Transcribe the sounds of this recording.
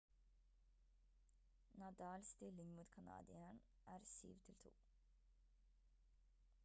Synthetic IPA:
nɑd̪ɑːlst̪ɪlɪŋmuːt̪kʰɑnɑ̰ːd̪ɪən | ʔæːɾsy̰ːʋt̪ʰɪlt̪ʰṵː

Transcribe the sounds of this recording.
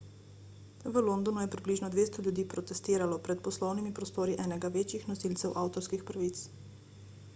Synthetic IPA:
ʋəlond̪ɔnujɛpɾibliːʒnɔd̪ʋeːst̪ɔljud̪iːpɾɔt̪ɛst̪eːɾalɔpɾɛt̪̚pɔslɔwnimipɾɔst̪oːɾiʔɛːnɛɡaʋeːt͡ʃjixnɔsilt̪sɛwʔaːwt̪ɔɾskixpɾaʋit̪s

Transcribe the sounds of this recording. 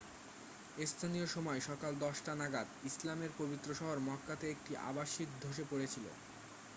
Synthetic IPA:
est̪ʰanijoʃɔmɔeʃɔkald̪ɔʃʈanaɡad̪islameɾpobit̪ːɾoʃɔɦoɾmɔkːat̪eek̚ʈiʔa̰baʃikd̪ʱoʃ̬epoɽet͡ɕʰilo̰

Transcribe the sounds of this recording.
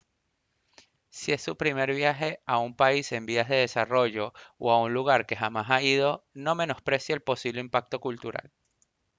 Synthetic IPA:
sie̞sːupɾime̞ɾβ̞jaxe̞aumpaise̞mbiazðe̞ð̞e̞saro̞ʝo̞o̰aunluɣ̞aɾke̞xamasaið̞o̞no̞me̞no̞spɾe̞sjaelpo̞siβle̞impak̚t̪o̞kult̪uɾa̰l

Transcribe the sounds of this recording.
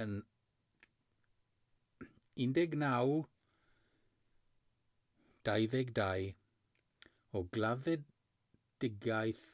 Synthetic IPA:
ən | ɪndɛɡnaw | d̥ajðɛɡdaj | ɔɡlˠaðɛd | d̥ɪɡjajθ

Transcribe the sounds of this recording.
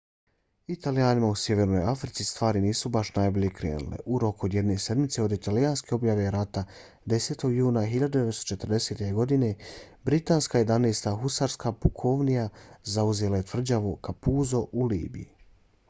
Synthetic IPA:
it̪aliaːnimausje̞ʋe̞ɾno̞jafɾit̪sist̪ʋaːɾiniːsubaʃnaːjbilikɾḛːnṵlḛʔuɾo̞kuod̪je̞d̪ne̞se̞d̪mit̪se̞o̞d̪it̪alijanske̞o̞bjaʋe̞ɾat̪a | d̪e̞se̞ːt̪o̞ɡjuːnaxiʎad̪ud̪eʋetst̪ot͡ʃe̞t̪r̩d̪e̞se̞t̪e̞ɡo̞d̪ine̞bɾit̪aːnskaje̞d̪aneːst̪axusaɾskapukʰo̞ʋnijazauze̞laje̞t̪vr̩d͡ʑaʋukapuzo̞ʔulḭːbḭji

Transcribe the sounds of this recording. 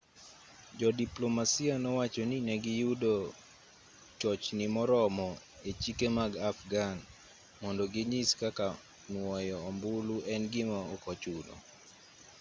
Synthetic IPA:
d͡ʒɔdiplomasianɔwat͡ʃoninɛɡɪjudo | t͡ʃɔt͡ʃnɪmɔɾɔmɔ | et͡ʃikemaɡafɡan | mɔndɔɡɪɲiskaka | nwɔjɔːmbuluʔɛnɡɪmaokɔt͡ʃudɔ̰

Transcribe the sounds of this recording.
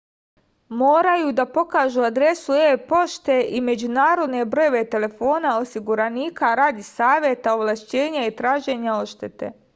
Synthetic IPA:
mo̞ːɾajuːd̪apo̞kaːʒuad̪ɾe̞suepo̞ʃt̪e̞ʔime̞d͡ʑunaːɾo̞d̪ne̞bɾo̞joʋe̞t̪e̞le̞fo̞ːnao̞siɡuɾaniːkaɾaːd̪isaːʋjet̪aoʋlˠaʃt͡ɕe̞ːɲait̪ɾaːʒe̞ɲao̞ʃt̪e̞t̪e̞̰

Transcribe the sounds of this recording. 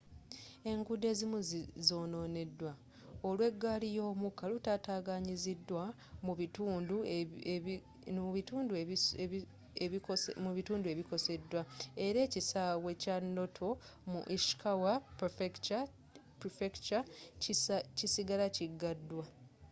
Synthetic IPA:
e̞ŋɡude̞ːzimuzzo̞ːno̞ːne̞dːwa | o̞lwe̞ɡːaːlijo̞ːmukːalutaːtaːɡaɲizidːwa | muituːndu | nβituːndue | emuβituːndue̞βiko̞se̞dːwae̞ɾe̞ːcisawe̞canːo̞tʰo̞ | mṵʔiʃi̥kʰawapf | pɾfekt͡ʃa | cisiɡalaciɡːadːwa

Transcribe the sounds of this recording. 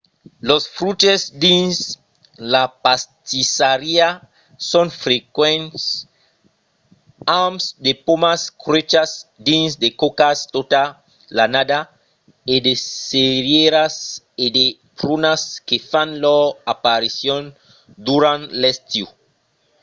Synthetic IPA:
losfɾutesdĩns | lapast̪isaɾia | sonfɾekwɛ̃nts | amsd̪epomaskɾet͡ʃasd̪ĩnsdekokast̪ot̪a | lanada | edeseɾjeɾas | ede | pɾunaskefanlɔapaɾisjon | d̪uɾãnlest̪ju

